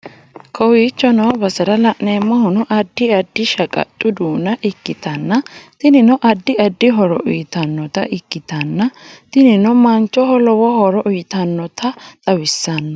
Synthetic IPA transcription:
kʰɔwiːt͡ʃːɔnɐbɐsɐɾɐlɐʔneːmːɔhʊnɔʔɐd̪ːɪɐd̪ːɪʃɐkʼɐ̰t̪ʼːʊd̪uːnɐʔɪkːɪt̪ɐnːɐt̪ɪnɪnɔʔɐd̪ːɪɐd̪ːɪɦɔɾɔ̰ʔʊjt̪ɐnːɔt̪ɐʔɪkːɪt̪ɐnːɐt̪ɪnɪnɔmɐnt͡ʃːɔɦɔlɔwɔhɔɾɔʔʊjɪt̪ɐnːɔt̪ɐt̪ʼɐwɪsːɐnːɐ

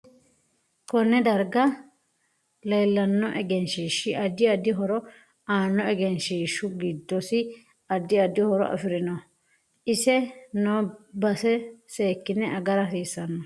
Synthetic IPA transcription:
kɔnːɛd̪ɐɾɡɐ | lejlːɐnːɔʔɛɡɛnʃiːʃːɪʔɐd̪ːɪɐd̪ɪɦɔɾɔ | aːnːɔɛɡɛnʃiːʃːʊɡid̪ːɔsɪ | ɐd̪ːɪɐd̪ːɪhɔɾɔ̰ʔɐ̰fɪɾɪnɔ | ɪsɛnoːbɐsɛse̞ːkːɪnːɛʔɐɡɐɾɐsiːsɐnːɔ

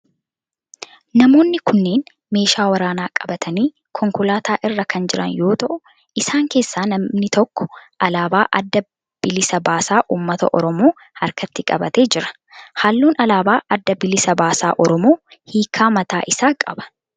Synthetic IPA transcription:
nɐmo̞ːnːɪkʊnːe̞ːn | me̞ːʃaːwɐɾaːnaːkʼɐbɐt̪ʰɐniː | kʰɔŋkʊlaːt̪ʰaːʔɪrːɐkɐnd͡ʒɪɾɐ̰njo̞ːt̪ɐʔʊ | ʔɪsaːŋke̞ːsːaːnɐnɪt̪ɔkːɔ̥ʔɐlaːbaːʔɐ̰d̪ːɐ | b̥ɪlɪsɐbaːsaːʔuːmːɐt̪ɐ̰ʔɔɾɔmoː | ɐɾkɐt̪ːɪkʼɐbɐt̪e̞ːd͡ʒɪɾɐ̥ | haːlːuːnɐlaːbaːʔɐd̪ːɐbɪlɪsɐbaːsa̰ːʔɔɾɔmo̞ːhiːkʰːaːmɐt̪aːʔɪsaːkʼɐbɐ̥

